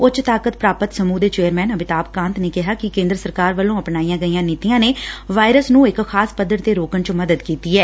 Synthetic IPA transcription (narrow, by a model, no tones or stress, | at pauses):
ʊt͡ʃt̪aːkət̪pɾaːpət̪səmuːd̪eːt͡ʃeːəɾmɛːnəbɪt̪aːpkãːnt̪neːkɪɦaːkɪkẽːnd̪ɾəsəɾkaːɾʋəlːõːəpnaːiːjãːɡəiːãːniːt̪ijãːneːʋaːɪɾəsnũːɪkxʰaːspəd̪ːəɾt̪eːɾoːkənt͡ʃməd̪əd̪kiːt̪iːɛː